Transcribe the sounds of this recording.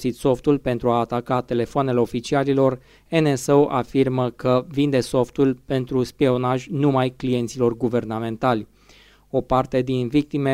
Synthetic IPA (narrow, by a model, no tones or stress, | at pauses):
sit̪so̞ft̪ulpe̞nt̪ɾuaːt̪akat̪e̞le̞foane̞le̞o̞fit͡ʃialilo̞r | eneseoʔafirməkəvind̪e̞so̞ft̪ulpe̞nt̪ɾuspio̞naʒʲnumajklije̞nt̪silo̞rɡuve̞rnamẽ̞nt̪alʲ | o̞part̪e̞d̪invik̚t̪ime